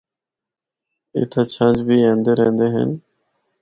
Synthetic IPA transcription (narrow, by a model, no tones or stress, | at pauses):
ɪ̰t̪ʰat͡ɕʰãnd͡ʑbiːẽːnd̪eːɾeːnd̪eːɦḛn